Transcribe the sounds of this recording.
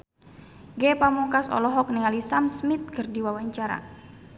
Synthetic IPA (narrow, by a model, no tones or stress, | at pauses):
ɡɛpamuŋkasɔ̰lɔɦɔk̚niŋalisamsmit̪̚kərdiwawaɲt͡ʃaɾa̰